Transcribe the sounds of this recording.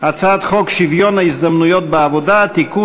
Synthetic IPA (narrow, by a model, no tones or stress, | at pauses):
at͡sat̪χɔkʃivijɔnaizd̪amnujɔt̪̚baːvɔd̪at̪iku